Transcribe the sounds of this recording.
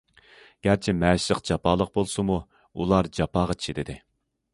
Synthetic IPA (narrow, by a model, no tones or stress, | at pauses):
ɡ̥ʲæɾt͡ʃʰɛmɛːʃlˠəqd͡ʒɑpʰɑːlˠəq̚bolˠsɨmu | ṵlˠɑɾd͡ʒɑpɑːʁɑt͡ʃʰi̥ʃɪd̪ɪd̪ɪ